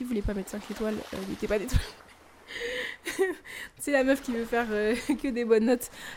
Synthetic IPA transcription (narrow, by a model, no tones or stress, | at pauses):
iuvulɛpamɛt̪sɛ̃ket̪walø̰net̪ɛpad̪et̪wal | sɛlamœfkʲivøfɛʁøkəd̪ebɔnːɔt̪